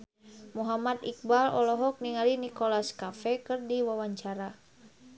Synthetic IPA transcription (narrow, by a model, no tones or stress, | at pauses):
muɦamat̪ik̚balɔ̰lɔɦɔk̚niŋalinikolaskafɛkɨrdiwawaɲt͡ʃaɾa